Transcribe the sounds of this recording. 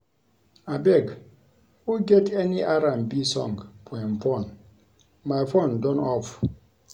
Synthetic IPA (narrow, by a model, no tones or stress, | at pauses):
abɛɡ | wuɡeteniʔaɾãmbisɔ̰̃ŋɡpʰɔjnfõn | majfondɔ̃nɔf